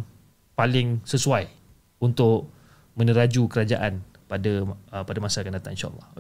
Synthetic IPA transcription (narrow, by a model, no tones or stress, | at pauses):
palɪŋsəsuaj | unt̪ʊʔ | mə̃nəɾad͡ʒukəɾad͡ʒaʔan | padapadamasakanat̪aʔinʃa̰a̰lːɑ̰